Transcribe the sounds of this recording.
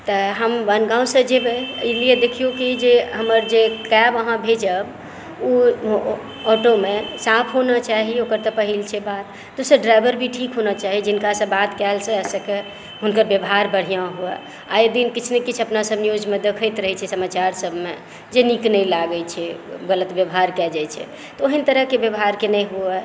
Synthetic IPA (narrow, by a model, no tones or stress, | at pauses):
t̪əɦəmbənɡãũsə̃d͡ʒebelied̪ekʰijokid͡ʒeɦəməɾd͡ʒekɛbəɦãbʱed͡ʒəb | u | ɔʈomesapʰɦonat͡ʃaɦiokəɾt̪əpəɦilt͡ʃʰɛbat̪ːosəɖɾajbəɾbʱiʈʰikɦonat͡ʃaɦid͡ʒɪnkasəbat̪kɛlsə̃ɛsəke | ɦunkəɾbjəbɦaɾbəɽ̤ijãɦuɛ̰ | a̰jəd̪inkit͡ʃʰnekit͡ʃʰəpnasəbnijod͡ʒmẽd̪ekʰəjt̪ɾəɦɛt͡ʃʰɛsəmat͡ʃaɾsəbʱme | d͡ʒeniknəjlaɡət͡ʃʰɛɡələt̪bjəbɦaɾkɛd͡ʒajt͡ʃʰɛ̰ | t̪ɔoɦənt̪əɾəɦkebjəbɦaɾkenɛjɦuɛ